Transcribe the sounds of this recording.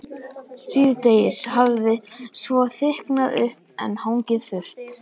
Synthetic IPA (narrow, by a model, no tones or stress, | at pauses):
siːðɪt̪ejɪshavðɪsvɔθɪhknaðʏh | ɛ̰nhawŋcɪðθʏr̥t̪